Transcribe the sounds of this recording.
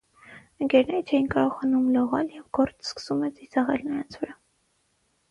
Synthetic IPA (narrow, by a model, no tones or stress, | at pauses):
əŋɡɛɾnɛɾət͡ʃʰɛjinkɑɾɔʁɑnumlɔʁɑljɛvɡɔɾt͡sʰskə̥sumɛd͡zizɑʁɛ̰lnəɾɑnt͡sʰvəɾɑ